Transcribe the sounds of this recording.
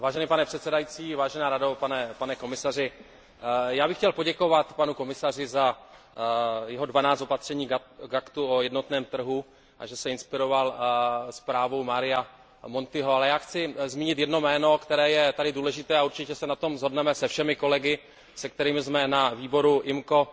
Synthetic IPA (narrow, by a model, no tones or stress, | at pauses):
vaːʒɛniːpanɛpr̥ɛt̪sɛdajit͡siːvaːʒɛnaːɾado̞panɛpanɛko̞mɪsar̝ɪ | jaːbɪxcɛlpoɟɛko̞vat̪panuko̞mɪsar̝ɪza | jɛɦo̞dvanaːt͡st̪o̞pat̪r̝̥ɛɲiːɡakt̪uojɛdno̞t̪nɛːmt̪r̩ɦu | ʔa̰ʒɛsɛɪnspɪɾo̞valspɾaːvo̞wmaɾɪja | mo̞nt̪ɪɦoalɛjaːxt͡sɪzmiːɲɪt̪jɛdno̞mɛːno̞kt̪ɛɾɛːjɛt̪adɪduːlɛʒɪt̪ɛːauɾt͡ʃɪcɛsɛnat̪o̞mzɦo̞dnɛmɛsɛfʃɛmɪko̞lɛɡɪ | sɛk̚t̪ɛɾiːmɪzmɛnaviːbo̞ɾuʔɪmko̞